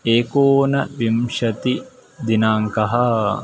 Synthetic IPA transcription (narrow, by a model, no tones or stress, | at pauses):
eːkoːnɐʋimʃɐt̪id̪inaːŋkɐɦɐ